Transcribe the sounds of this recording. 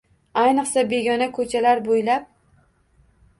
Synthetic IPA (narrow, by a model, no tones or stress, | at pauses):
ajnɨqsabe̞ɡʲɒnakʰɵt͡ʃʰalaɾbojlap̚